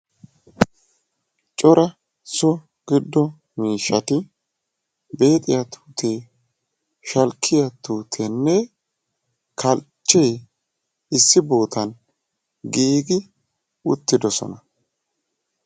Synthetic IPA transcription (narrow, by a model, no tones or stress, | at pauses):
t͡ʃʼɔɾɐ | sɔ | ɡ̥ɪd̪ːɔ | miːʃːɐt̪ɪ | be̞ːt̪ʼɪjɐt̪ʰu̥ːt̪ʰeː | ʃɐlkʰːɪjɐt̪uːt̪ʰenːɛ | kʰɐlt͡ʃːɛj | ɪsːɪbo̞ːt̪ɐn | ɡiːɡɪ | ʊt̪ːɪd̪ɔsɔ̰nɐ